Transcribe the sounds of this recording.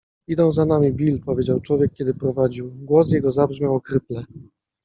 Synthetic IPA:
id̪ɔ̃w̃zanamʲibʲilpɔvʲed͡ʑawt͡ʂwɔvʲjɛkːʲɛd̪ɘpɾɔvad͡ʑiwɡwɔs̬jɛɡɔzabʐmʲawkɾɘplɛ

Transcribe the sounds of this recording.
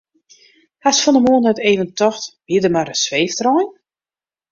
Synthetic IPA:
hasfɔnəmoːnɛteːvəntɔxtb̥ɪdəmarəsʋeːftrɔjn

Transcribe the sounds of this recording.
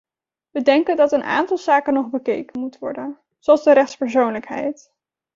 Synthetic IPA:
ʋədɛŋkəndɑtənʔa̰ːntɑlˠzaːkənɔχbəkejkənmutʋɔ̰ɹdən | zoɑlˠzdəɾɛχtspəɹsownləkɦɛ̰jt

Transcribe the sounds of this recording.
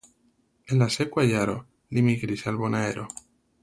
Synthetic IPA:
elasekwaʎaɾo | d̪imiɣɾisalβonaeɾʔo

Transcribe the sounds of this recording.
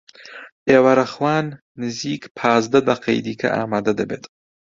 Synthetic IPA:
ʔeːwɐɾɐχwaːnː | ɨziːkpʰaːzd̪ɐd̪ɐqʰɐ̰jd̪iːkʰɐ̰ʔa̰ːmaːd̪ɐd̪ɐbeːt̪ʼ

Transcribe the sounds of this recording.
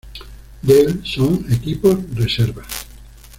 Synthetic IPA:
d̪elsoŋekiposreseɾβas

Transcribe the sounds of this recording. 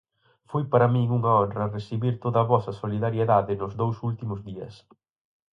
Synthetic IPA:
fojpaɾɐmiŋuŋɐɔnrɐresiβiɾt̪oðɐːβɔsɐsoliðaɾjeðaðɪnʊzðowsult̪imʊzðiɐ̰s

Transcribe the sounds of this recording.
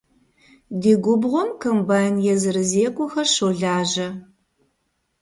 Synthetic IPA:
diːɡʷʊbʁʷʊmkʰɐmbaːjnjɛzɨɾɨzeːkʷʼʊxɐʃowɮaːʒɐ

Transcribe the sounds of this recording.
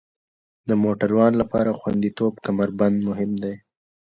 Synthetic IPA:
d̪əmoʈaɾwɑnlapɑ̰ɾaxwa̰nd̪it̪obkamaɾband̪mʊɦɪmd̪ej

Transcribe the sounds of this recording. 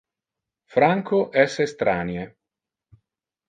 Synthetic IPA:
fɾaŋkoʔɛsest̪ɾaːnje

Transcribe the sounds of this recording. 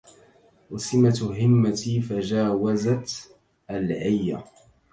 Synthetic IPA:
wasɪmat̪ɦɪmːat̪ifad͡ʒaːwazat̪ | ʔalʕajːa̰

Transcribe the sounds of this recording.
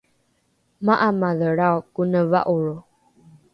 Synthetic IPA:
maʔamaðəɺaokunəva̰ʔuɺu

